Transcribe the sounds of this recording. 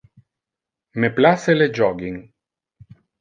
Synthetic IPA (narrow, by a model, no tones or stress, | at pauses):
meplʲaseled͡ʒɔɡiŋ